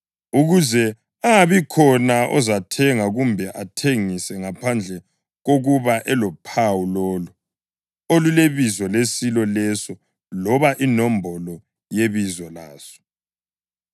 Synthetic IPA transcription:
uɣuzɛ | aβikʰɔnaʔɔ̰zatʰɛŋaɣumbʱɛʔatʰeŋisɛŋapʰand͡ɮʱɛ | ɣoɣuβaʔɛlɔpʰawulɔːlu | oluleβizɔlesilɔlɛsɔ | lɔβaʔinɔmbʱɔlɔ | jeβizɔlaːsɔ̥

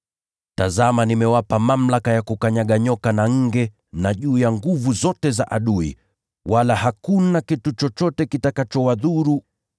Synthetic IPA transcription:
tazamanimɛwapamam̩lakajakukaɲaɠaɲɔkanaŋ̩ɡɛ | naʄuːjaŋɡuvuzɔtɛzaʔaɗuḭ | walahakunakitut͡ʃɔt͡ʃɔtɛkitakat͡ʃɔwaðuɾu

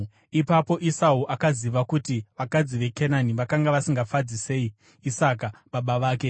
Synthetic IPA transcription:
ipapo̞ʔisauʔakaziʋakutiʋakad͡ziʋe̞kenaniʋakaŋɡaʋasiŋɡafad͡zise̞iː | sakaɓaɓaʋaːke̞

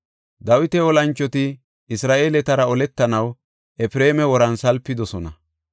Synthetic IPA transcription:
d̪ɐwɪt̪ɛɔlɐnt͡ʃːɔt̪ɪ | ɪsɾaːʔe̞ːlɛt̪ɐɾɐɔlɛt̪ːɐnɐw | ʔɛfɾe̞ːmɛwɔɾɐnsɐlpːɪd̪ɔsɔnɐ

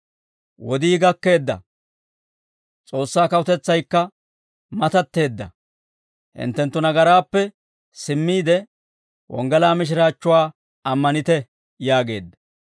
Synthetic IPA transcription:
wɔd̪iːɡɐkːe̞ːd̪ːɐ̰ | t͡sʼo̞ːsːaːkɐʊt̪ɛt͡sːɐjkːɐ | mɐt̪ɐt̪ːe̞ːd̪ːɐ̰ | hɪ̰nt̪ːɛnt̪ːʊnɐɡɐɾaːpːɛ | sɪmːiːd̪ɛ | wɔ̰ŋɡɛlaːmɪʃ̬ɪɾaːt͡ʃːʊwaː | ɐmːɐnɪt̪ɛ | jaːɡe̞̰ːd̪ːɐ̥

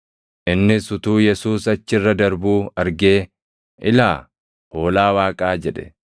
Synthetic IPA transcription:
ʔɪnːɪsʊt̪uːjɛsuːsɐt͡ʃːɪrːɐd̪ɐɾbuːɐɾɡe̞ː | ʔɪla̰ː | ho̞ːlaːwaːkʼaːd͡ʒɛᶑɛ̥̰

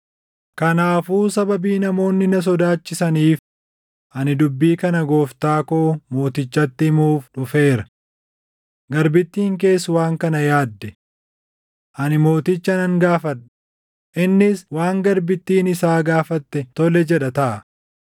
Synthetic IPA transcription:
kɐnaːfuːsɐbɐbiːnɐmo̞ːnːɪnɐs̬ɔd̪aːt͡ʃːɪsɐniːf | ʔɐnɪd̪ʊbːiːkɐnɐɡo̞ːft̪aːkoːmo̞ːt̪ɪt͡ʃːɐt̪ːɪmuːfᶑʊfe̞ːɾɐ | ɡɐɾbɪt̪ːiːŋk̬e̞ːsːʊwaːŋkɐnɐjaːd̪ːɛ | ʔɐnɪmo̞ːt̪ɪt͡ʃːɐnɐŋɡaːfɐᶑɐ̥ | ʔɪnːɪswaːŋɡɐɾbɪt̪ːiːnɪsaːɡaːfɐt̪ːɛt̪ɔlɛd͡ʒɛᶑɐt̪ɐʔɐ

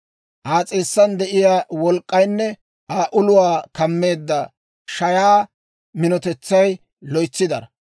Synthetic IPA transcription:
ʔaːt͡sʼeːsːɐnd̪ɛʔɪjaːwɔlkʼːɐjnːɛ | ʔaːʔʊlʊwaːkɐmːe̞ːd̪ːɐ | ʃɐjaː | mɪnɔt̪ɛt͡sːɐj | lɔjt͡sːɪd̪ɐɾɐ

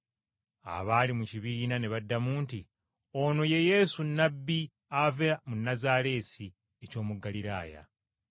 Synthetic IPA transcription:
a̰βaːlimuciβiːnane̞βadːamuːnti | ono̞je̞je̞ːsunːabːi | aveamunːazaːɾe̞ːsi | eco̞ːmuɡaliɾa̰ːja̰

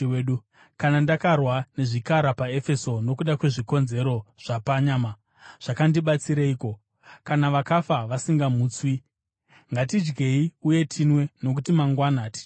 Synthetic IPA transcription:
eɗu | kanandakarwane̞ʐikaɾapae̞fe̞so̞no̞kuɗakwe̞ʐiko̞nze̞ɾo̞ʐ̥apaɲaːma | ʐ̥akandiɓat͡siɾaiːko̞ | kanaʋakafaʋasiŋɡamuːt͡swi | ŋɡatid͡ʒɡe̞iuje̞tʰinwe̞no̞k̬utimaŋɡwanaːti̥

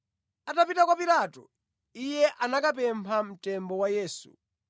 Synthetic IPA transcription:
atapitakwapilaːtɔ | ijɛʔanakap̬ɛmpʰam̩tɛmbɔwajɛːsṵ

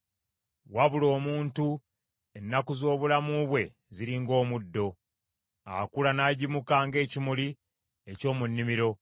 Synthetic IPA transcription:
waβulo̞ːmuːntu | enːakuzo̞ːβulamuβwe̞ | ziɾiŋɡo̞ːmudːo̞ | a̰kulanaɟimukaːŋɡe̞ːcimuli | e̞co̞ːmunːimiɾo̞

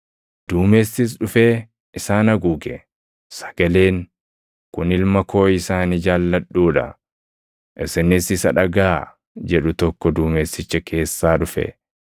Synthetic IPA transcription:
d̪̥uːmeːsːɪs̬ᶑʊfeː | ʔɪsaːnɐɡuːɡɛ | sɐ̥ɡ̥ɐle̞ːŋ | kʊnɪlmɐkʰo̞ːɪsaːnid͡ʒaːlːɐᶑːuːᶑɐ̰ | ʔɪsɪnɪsɪsɐᶑɐɡaː | d͡ʒɛᶑʊt̪ɔkːɔd̪uːmeːsːɪt͡ʃːɛkʰe̞ːsːaːᶑʊfɛ̰

